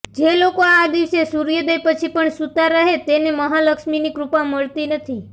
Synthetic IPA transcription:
d͡ʒelokoad̪iʋsesuɾijəd̪əjpət͡ʃʰipəɳsut̪aɾəɦet̪eneməɦaləkʃminikɾupaməɭt̪inət̪ʰi

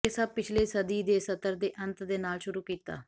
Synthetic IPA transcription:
ɪsaːpɪt͡ʃʰleːsəd̪iːd̪eːsət̪əɾd̪eːʔənt̪d̪eːnaːlʃʊɾuːkiːt̪a̰ː

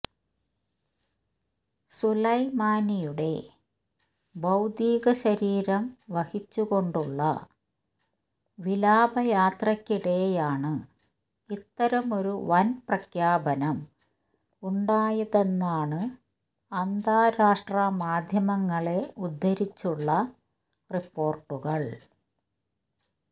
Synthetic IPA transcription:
sulɐjmaːnijuɽe̞̰ | bɐwd̪iːɣɐɕɐɾiːɾɐmʋɐhit͡ɕːuɣo̞ɳɖuɭːɐ̰ | ʋilaːbʱɐjaːt̪rɐkʲːiɽe̞jaːɳɨ | it̪ːɐɾɐmo̞ɾuʋɐnprɐkʰjaːbɐnɐm | uɳɖaːjɐðe̞nːaːɳɨ | ɐnd̪ʱaːɾaːʂʈrɐmaːd̪ʱjɐmɐŋːɐɭe̞ud̪ʱːɐɾit͡ɕːuɭːɐ | ripːo̞ːrʈːuɣɐɭ

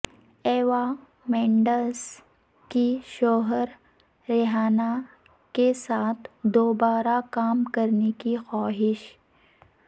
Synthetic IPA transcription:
ɛːʋa | mɛ̃ːɳɖəs | kiʃoːɦəɾː | ɛɦaːna | kesaːt̪ʰd̪oːbaːɾakaːmkɐɾnekixaːɦɪʃ

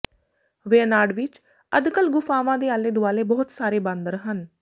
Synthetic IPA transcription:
ʋeːənaːɖʋɪt͡ʃ | əd̪kəlɡʊfʰaːʋãːd̪eːaːleːd̪ʊaːleːbɔːt̪saːɾeːbãːnd̪əɾɦən

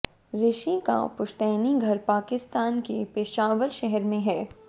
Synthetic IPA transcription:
ɾɪʃika̰pʊʃʈ̪ɛːniɡʱɐɾpaːkɪst̪aːnkepɪʃaːʋəɾʃɛɦɛɾmẽɦɛː

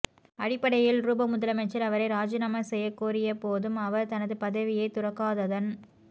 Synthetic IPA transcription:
ɐɽɪpːɐɽɐjɪlɾuːbɐmʊðɐlɐmɛt͡ʃːɐɾɐʋɐɾɐɪɾaːd͡ʒɪnɐmɐsɛjːɐkːuːɾɪjɐpoːðɯmɐʋɐɾt̪ɐnɐðɯpɐðɐʋɪjɐɪt̪ʊrɐkːaːðɐðɐn

